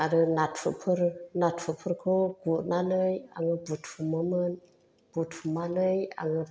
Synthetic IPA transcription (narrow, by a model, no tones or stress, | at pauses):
aɾənat̚fə̰pʰəɾnatfəpʰəɾkʰoɡuʔnanəja̰ŋəbutfuməmən | b̥utfumanəja̰ŋə